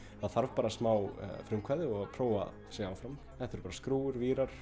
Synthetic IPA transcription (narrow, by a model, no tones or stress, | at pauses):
haðθaɾvpaːɾasmaːwfɾʏmkʰvaðɪɔɣpʰɾoːwa̰ð | seaːwfɾam | ɛnθʏɾpaːɾaskɾuːʏɾviːɾaɾ̥